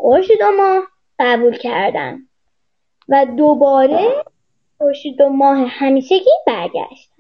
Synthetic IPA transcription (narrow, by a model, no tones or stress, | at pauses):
ɡoʃid̪omɒːh | ɢæbuːlcʰæɾd̪æ̰n | væd̪obɒːɾe | ɡoʃid̪omɒːɦehæmiːʃe̞ɡʲiːbæɾɟæ̰ʃt̪æn